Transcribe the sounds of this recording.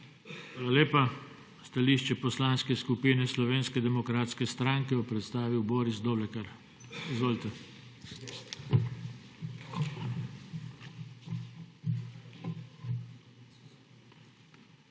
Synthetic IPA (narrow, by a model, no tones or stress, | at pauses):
xʋaːlaleːpa | st̪aliːʃt͡ʃɛpɔslanskɛskupiːnɛslɔʋeːnskɛd̪ɛmɔkɾaːt̪skɛst̪ɾaːŋkɛjɔpɾɛt̪st̪aːʋiwboːɾisd̪oːblɛkɛɾ | izʋoːlt̪ɛ